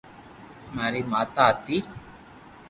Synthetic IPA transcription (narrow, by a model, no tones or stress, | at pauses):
maɾimat̪at̪i